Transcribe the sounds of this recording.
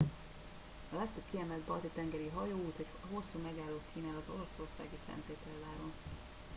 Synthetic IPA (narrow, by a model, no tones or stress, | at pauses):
ɒlɛkt̪øbkiɛmɛld̪̚bɒlt̪it̪ɛŋɡɛɾiɦɒjoːuːt̪hocɦo̞sːuːmɛɡaːlːoːk̪kiːnaːlɒzo̞lɒso̞rsa̰ːɡisɛ̰nt̪eːt̪ɛlːaːɾon